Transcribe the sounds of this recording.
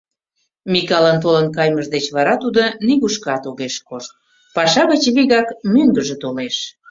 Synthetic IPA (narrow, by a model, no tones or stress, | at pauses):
mikɑlənt̪̬olənkɑjməʒd̪et͡ɕβɑɾɑt̪ud̪oniɣuʃkɑt̪oɣeʃkoʃt̪̚ | pɑʃɑɣət͡ɕβiɣɑkmyŋɡəʒet̪oleʃ